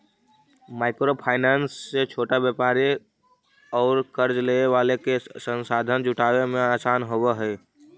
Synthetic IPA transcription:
maːɪkɾopʰaːɪnaːnsːet͡ʃʰoːʈabjəːpaːɾi | ɔːɾkəɾd͡ʒleeʋaːlekesə̃nsaːd̪ʱənd͡ʒʊʈaːwemẽaːsaːnɦoweɦɛː

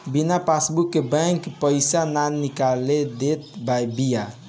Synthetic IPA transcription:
binapʰasbukːebɛ̃ŋkpəjsananːikaled̪et̪̚bajbija

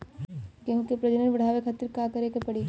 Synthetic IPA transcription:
kɐ̃ɦkepɾɐd͡ʒənənbɐɽ̤aːʋekʰɐt̪iɾkakɐɾekepɐɽi

